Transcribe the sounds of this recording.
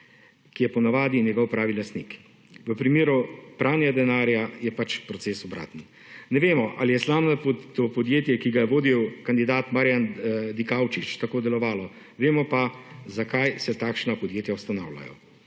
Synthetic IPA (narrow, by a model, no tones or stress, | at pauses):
kijɛpɔnaʋaːd̪injɛɡɔwpɾaːʋilast̪nik | ʋəpɾimeːɾupɾaːwnʲɛɡad̪ɛnaːɾjajɛpat͡ʃpɾɔtseːsɔbɾa̰ːt̪n̩ | nɛʋeːmɔʔa̰lijɛslaːbnat̪ɔpɔd̪jeːt̪jɛkiɡajɛʋoːd̪iwkand̪id̪aːt̪maːɾjand̪ikawt͡ʃit͡ʃt̪akoːd̪ɛlɔʋaːlɔ | ʋeːmɔpazakajsɛt̪aːkʃnapɔd̪jeːt̪jawst̪ana̰wlʲa̰jɔ̰